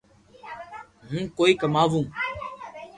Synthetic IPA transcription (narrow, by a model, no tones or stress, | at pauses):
ɦũːkoːiːkəmaːʋũː